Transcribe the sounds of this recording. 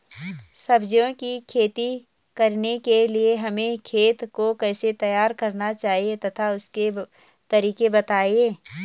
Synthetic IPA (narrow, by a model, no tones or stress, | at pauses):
sɐbd͡ʒõkikʰeːt̪i | kɐɾnekelieɦɐmẽkʰeːt̪kokɛːset̪ɐjaːɾkɐɾnat͡ʃaːɦiet̪ɐt̪ʰaʊske | t̪ɐɾiːkebɐt̪aːieː